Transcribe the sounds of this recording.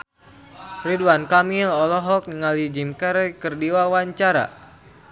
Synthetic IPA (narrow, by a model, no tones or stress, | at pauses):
riduankamilɔlɔɦɔk̚niŋalid͡ʒimkɛɾkərdiwawaɲt͡ʃaɾa̰